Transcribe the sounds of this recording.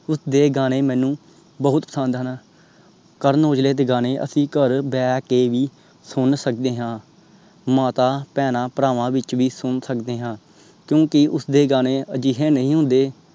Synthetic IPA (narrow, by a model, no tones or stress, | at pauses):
ʊsd̪eːɡaːñeːmɛ̃ːnũː | bəɦʊt̪pəsə̃nd̪ɦən | kəɾnoːd͡ʒleːt̪̬eːɡaːneːʔə̰sĩːkəɾbɛːkeːʋiː | sʊnsək̚d̪eːɦãː | maːt̪aːpɛːnãːpɾaːʋãːʋɪt͡ʃʋiːsʊnsəkd̪eːɦãː | kjõːkɪʊsd̪eːɡaːneːəd͡ʒiːɦɛ̃ːnəɦĩːɦʊ̃ːnd̪eː